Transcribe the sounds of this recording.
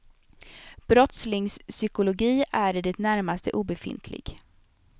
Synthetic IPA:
b̥ɾɔt̪slɪŋssʏkʊlʊɡiːʔæɖɪd̪ɛt̪næɾmast̪ə̰ʔuːbɛfɪ̰nt̪ʰlɪ̰ɡ̥

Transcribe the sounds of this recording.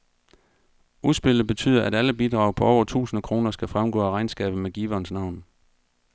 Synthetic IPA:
usb̥e̝lð̩ˠbe̝t͡sʰy̰ːðˠɐʔæɾæləb̥id̥ʁɑ̈ʊpʰɒ̽ɒʊɐt͡sʰṵːsn̩əkʰʁo̝ːnɐsɡ̥æfʁamɡ̥ɔ̰ːæʁɑ̈ɪnsɡ̥ɛ̰ːb̥ð̩ˠmeɡ̥iːʋɒnsnɑ̈ʊ̰n

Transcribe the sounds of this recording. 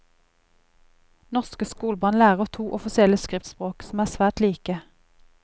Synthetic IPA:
nɔʁskəskuːlbɑnlæːʁət̪ʰuːʔɔfɪsɪɛləskʁɪft̪spʁoːksm̩æːsʋæːʈ̪liːkə

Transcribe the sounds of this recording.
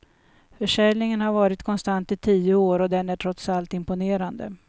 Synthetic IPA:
fœʂɛlnɪŋənhaɾvɑːɾɪt̪kʰɔnst̪ant̪ɪt̪ʰiːʊoːɾɔd̪ɛnæʈʰɾɔt̪salt̪ɪmpʊneːɾand̪ə̰

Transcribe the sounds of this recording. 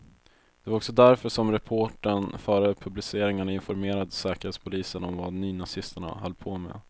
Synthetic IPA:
d̪̥ɛvaɾɔksɔd̪æɾfœʂɔmɾɛpʰoːʈəɳfœːɾəpʰɵblɪseːɾɪŋaɳaɪnfɔɾmeːɾad̪sɛːkəɾheːt̪spʰʊliːsənɔmvanyːnasɪst̪əɳa̰halːpʰoːmɛ̰

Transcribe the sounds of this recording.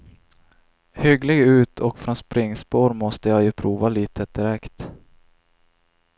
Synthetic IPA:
hʏɡlɪɡʉ̟ːt̪ʰɔkfɾɔnspɾɪŋːspoːɾmɔst̪əjajɵpʰɾuːvaliːt̪ʰəd̪̥ɪɾɛkt̪

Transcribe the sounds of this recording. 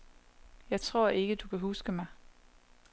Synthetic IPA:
jɑ̈ɪt͡sʰʁo̝ɐ̰e̝ɡ̥əd̥ukʰæɦusɡ̥əmɑ̈ɪ

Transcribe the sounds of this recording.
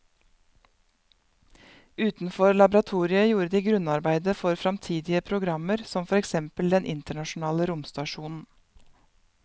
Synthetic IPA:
ʉːt̪n̩fɔɾlɑbɾɑt̪ʰuːɾɪəjuːɾəd̪iːɡɾʉnɑɾbæɪd̪əfɔɾfɾɑmt̪ʰiːd̪ɪəpʰɾʊɡɾɑməɾsɔmfɔɾɛksɛmpəld̪ɛnʔɪnt̪əɳɑʃn̩ɑːləɾʊmst̪ɑʃuːnn̩

